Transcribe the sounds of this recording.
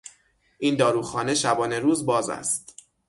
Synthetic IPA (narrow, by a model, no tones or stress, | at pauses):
ʔind̪ɒːɾuːxɒːne̞ʃæbɒːne̞ɾuːzbɒːzæ̰st̪